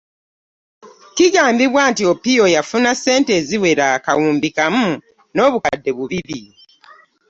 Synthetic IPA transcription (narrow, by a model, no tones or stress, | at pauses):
kiɡaːmbiβwaːntiopio̞jafunase̞ːnte̞ːziwe̞ɾakawuːmbikamu | no̞ːβukadːe̞βuβiβi